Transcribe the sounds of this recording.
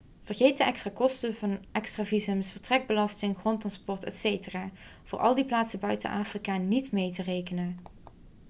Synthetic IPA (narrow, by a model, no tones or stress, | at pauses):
v̥ərɣejt̚dəɛkstraːkɔstəvɑnʔɛkstraːvizəmsvəɹtrɛɡ̚bəlɑstɪŋχrɔntrɑnspɔɹtɛ̰tsejtəraːv̥ʊːɹʔɑ̰lˠdiplaːtsəbœɥtə̰nʔaːfrikaːnitmejtərejkənən